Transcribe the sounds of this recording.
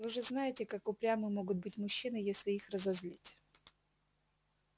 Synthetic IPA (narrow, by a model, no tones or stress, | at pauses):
vɨʐɨznajɪtʲɪkakʊpɾʲamɨmo̞ɡʊt̪̚bɨtʲmʊɕːinɨjesʲlʲɪixrəzɐzʲlʲitʲ